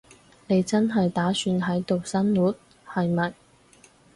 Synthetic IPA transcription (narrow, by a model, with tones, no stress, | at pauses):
ne˨˧jt͡sɐ˥nɦɐ˨jt̪aː˨˥syː˨˧nɦɐ˨˥jt̪o˨wsɐ˥nwuː˨˥t̚ | hɐ˨jmɐ˨˩j